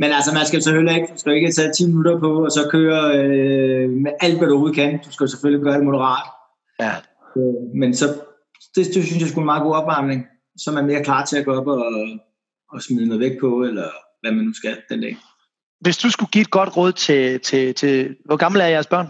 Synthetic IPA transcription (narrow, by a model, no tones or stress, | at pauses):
menælsɐmænsɡ̥æjosefølieɡ̥d̥usɡ̥æjoe̝ɡ̥ət͡sʰɛt͡sʰḭːminuɾɐpʰɒ̽ːsɒ̽kʰøːɐø | meʔæl̰d̥ʋæɾuoːð̞̩ˠkʰænd̥usɡ̥æjosefølieɡ̥̚ɶːɐd̥emo̝ɾəʁɑ̰̈ːd̥ | jæ | ømensɒ̽ | d̥e̝d̥e̝synsjɑ̈ɪsɡ̥unmɑ̈ːɡo̝̰ːɒ̽b̥ʋɑ̈mneŋ | sɒ̽mæɐme̝ːɐkʰlɑ̰̈ːt͡sʰe̝æɡ̥oːɒb̥ɒː | smiðˠnɔːð̩ˠʋeɡ̥̚pʰɒ̽elɐ | ʋæmænːusɡ̥æd̥end̥ɛ̰ː | ʋe̝sd̥usɡ̥uɡ̥ḭːed̥̚ɡ̥ɒ̽d̥ʁɔ̽ːð̰ˠt͡sʰe̝t͡sʰe̝t͡sʰe̝ʋɒɡ̥ɑ̈ml̩æɐjæɐsb̥ɶɐ̰n